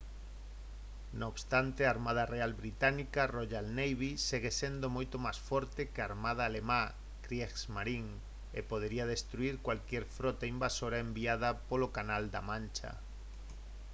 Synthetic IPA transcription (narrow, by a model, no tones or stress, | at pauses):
noβst̪ant̪eaːɾmað̞arealβɾit̪anikaroʎalnejβiseɣesend̪omojt̪omasfɔɾt̪ekeaɾmað̞aːlema | kɾjeksmaɾiŋ | ḛpoðeɾiað̞est̪ɾuiɾkwalkjɛɾfɾɔt̪aimbasoɾaembiað̞apolokanald̪amãnt͡ʃa̰